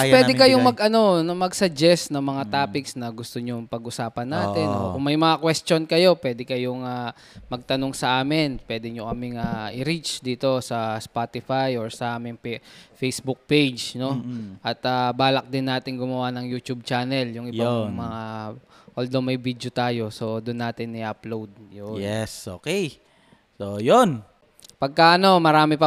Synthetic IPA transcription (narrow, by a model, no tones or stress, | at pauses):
pwɛd̪ɛkɐjoŋmɐɡʔɐno̞nomɐɡsɐd͡ʒɛst̪nɐŋmɐŋat̪aːpɪksnɐɡʊst̪oɲoŋpɐɡʔʊsaːpɐnːaːt̪ɛnokʊŋmɐjmɐŋakwɛst͡ʃonkɐjo̞pwɛːd̪ɛkɐjoŋa | mɐɡ̚t̪ɐnoŋsɐʔaːmɪnpwɛːd̪ɛɲokɐmɪŋaʔɪɾit͡ʃd̪iːt̪o̞sɐspat̪ɪfajʔoɹsɐʔaːmɪŋfejsbʊk̚pejd͡ʒno̞ʔɐt̪aːbaːlɐk̚d̪ɪnːaːt̪ɪŋɡʊmɐwanɐŋjuːt̪ub̚t͡ʃaːnɛljʊŋʔɪbaŋmɐŋaʔɐld̪omɐjbid̪jot̪aːjo̞so̞d̪ʊnːaːt̪ɪnɪʔɐplowd̪̚joɛsʔo̰ːkɛj | sojon | pɐɡ̚kɐʔɐno̞mɐɾaːmɪpɐ